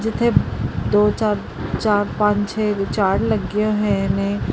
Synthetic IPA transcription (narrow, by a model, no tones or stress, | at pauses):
d͡ʒɪt̪ʰẽd̪oːt͡ʃaːɾ | t͡ʃaːɾpãːt͡ʃt͡ʃʰɛt͡ʃaːɽlɐɡijõɦɛ̃nẽ